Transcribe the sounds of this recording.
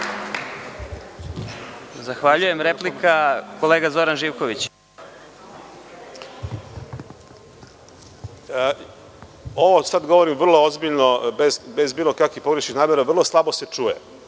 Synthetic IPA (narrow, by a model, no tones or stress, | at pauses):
zaxʋaʎuje̞mɾeplikako̞leːɡazo̞ɾanʒiːʋkoʋit͡ɕ | oʋosad̪ɡo̞ʋoɾimvr̩lˠoozbiʎnobezbe̞zbiːlˠo̞kakʋipoɡɾeʃnixnaːmeɾavr̩lˠo̞slˠabo̞se̞t͡ʂuːjḛ